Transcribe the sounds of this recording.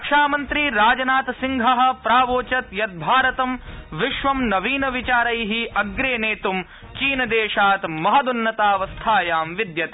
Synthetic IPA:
ɐkʂaːmɐnt̪ɾiɾaːd͡ʒɐnaːt̪siŋɡʱɐɦɐ̆pɾaːʋoːt͡ʃɐt̪jɐt̪̚bʱaːɾɐt̪ɐmʋiʃʋɐmnɐʋiːnɐʋit͡ʃaːɾɐjɦiʔɐɡɾeːneːt̪um | t͡ʃiːnɐd̪eːʃaːt̪mɐɦɐd̪unːɐt̪aːʋɐst̪ʰaːjaːmʋid̪jɐt̪

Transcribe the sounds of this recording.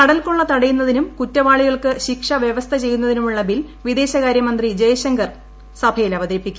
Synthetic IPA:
k̪ɐɽɐlko̞ɭːɐt̪ɐɽɐjunːɐðinumkutːɐʋaːɭiɣɐɭkɨɕikʂɐʋjeʋɐst̪ʰɐt͡ɕe̞jːunːɐðinumuɭːɐbilʋid̪e̞ːɕɐɣaːɾjɐmɐnd̪rid͡ʑɐjɐɕɐŋɡɐr | sɐbʱɐjilɐʋɐðeːpːikʲː

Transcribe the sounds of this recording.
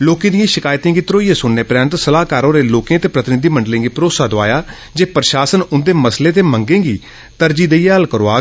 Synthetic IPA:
loːkẽːd̪ijãːʃɪkaːjt̪ẽːŋɡiːt̪ɾoːiːãːsʊnːẽːpɾjaːnt̪səlaːkaːɾõːɾeːloːkẽːt̪eːpɾət̪ɪnɪd̪iːməɳɖlẽːɡiːpɾoːsaːd̪oa̰ːjaː | d͡ʒeːpɾʃaːsənʊnd̪eːməsleːt̪eːməŋɡẽːɡiː | t̪əɾd͡ʒiːd̪eiːəlkəɾoːaː

